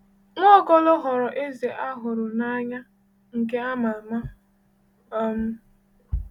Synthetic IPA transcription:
ŋʷɔ˦˨ɡɔ˦lʊ˦ɦɔ˨ɾɔ˨ʔe˦ze˨ʔa˦ɦʊ˨ɾʊ˨na˦ɲa˦ | ŋ̩˨ke˦a˦ma˨ma˦ | ɔ˦m̩˦

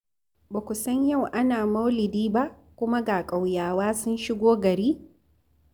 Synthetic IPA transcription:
baː˨kʷʊ˨sɐ˦ɲja˦˨wʔa˦naː˨mɐ˦wlɪ˨diː˦ba˦ʔ | kʷʊ˦ma˦ɡaː˨kʼa˨wjaː˨waː˦sʊ˦nʃɪ˦ɡʷoː˦ɡɐ˨ɾiː˦

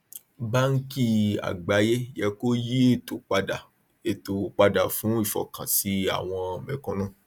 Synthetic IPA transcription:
ba˦ŋ̩˦ki˦a̰˨ɡ͡ba˨˦je˦jɛ˧ko˦ji˦e˦˨to˨k͡pa˧da˨ | e˨to˨k͡pa˧da˨fũ˨˦i˦˨fɔ̰˨kã˨si˨˦a̰˨w̃ɔ̃˧˨mɛ̃˨kɔ̃˧˦nũ˦˨

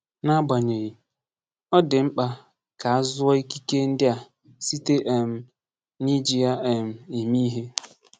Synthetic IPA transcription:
na˦ba˨ɲe˨ɣi˨ | ɔ˦dɪ˨ŋ͡m̩˦k͡pa˦ | ka˨a˦zʊ˦ɔ˦i˦ki˦ke˦n̩˦dɪ˦a˨ | si˦te˦ʔe˨m̩˨˦ | ni˦d͡ʒi˦ja˦e˨m̩˨i˨mi˦ɦe˦

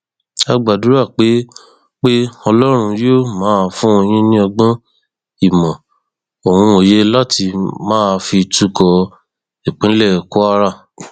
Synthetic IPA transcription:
a˧ɡ͡ba˨du˨˦ɾa˦˨k͡pe˨˦ | k͡pe˦ɔ˧lɔ˦ɾ̃ũ˧jo˦˨mãː˨˦˧fũ˦o˧j̃ĩ˦nĩ˦ɔ˧ɡ͡bɔ̃˦ | i˦˨mɔ̃˨ | o˨hũ˧o˨je˦la˦ti˧mãː˦˧fi˧tu˦kɔ˧ | e˨k͡pĩ˨˦lɛ˦˨ku˦a˦ɾa˦˨

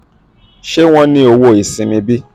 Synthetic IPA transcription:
ʃe˦w̃ɔ̃˦nĩ˦o˧wo˦˨i˨sĩ˨mĩ˧bi˦

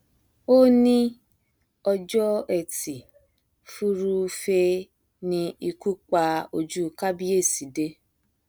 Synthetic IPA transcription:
o˦nĩ˦ | ɔ˧d͡ʒɔ˦ɛ˦˨ti˨ | fu˦ɾu˧fe˧ | nĩ˧i˧ku˦k͡pa˧o˧d͡ʒu˦˨ka˦bi˦e˦˨si˨de˦

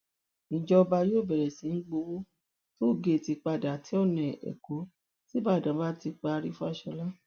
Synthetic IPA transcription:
ĩ˨d͡ʒɔ˧ba˧joː˦˨bɛ˨ɾɛ˨sĩ˨˦n̩˦ɡ͡bo˧wo˦ | to˦˨ɡe˦˨ti˧k͡pa˧˨da˨tʰi˨˦ɔ˦˨nɛ̃˨ʔɛ̰˨ko˨˦ | si˦ba˦˨dã˨˦ba˦ti˧k͡pa˧ɾi˦fu˦a˦˨ʃɔ˧la˦

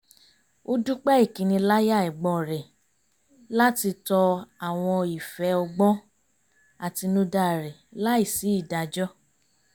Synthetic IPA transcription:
o˦du˦k͡pɛ˦i˦˨kĩ˨˦nĩ˧la˦ja˦˨ɛ˨ɡ͡bɔ˧˨ɾɛ˨ | la˦ti˧tɔ˧a˨w̃ɔ̃˧i˨fɛ˨˦ɔ˧ɡ͡bɔ̃˦ | a˨ti˧nũ˦da˧˨ɾɛ˨la˦i˦˨si˨˦i˦˨da˧˨d͡ʒɔ˦

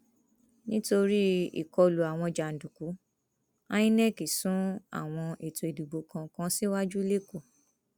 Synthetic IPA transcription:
nĩ˦to˧ɾi˦ḭ˨kɔ˧lu˨a˨w̃ɔ̃˧d͡ʒa˨n̩˨du˨ku˨˦ | ã˦ĩ˦nɛ˦˨ki˨sũ˨˦a̰˦˨w̃ɔ̃˧ʔe˨to˨e˨du˨ɡ͡bo˨kã˧kã˧˦si˦wa˦d͡ʒu˦le˦ko˦˨

